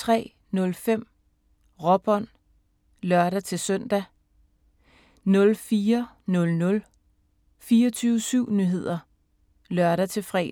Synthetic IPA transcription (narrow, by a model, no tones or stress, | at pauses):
t͡sʰʁɛ̰ː | nɔ̽lfem̰ | ʁɒ̽b̥ɒn | lɶɐɾ̥æt͡sʰe̝lsœn̰d̥æ | nɔ̽lfiːɐ | nɔ̽lnɔ̽l | fiːɒt͡sʰyːʊəsyʊ̰nyɦe̝ð̞̰ˠɐ | lɶɐɾæt͡sʰe̝fʁɛ̰ː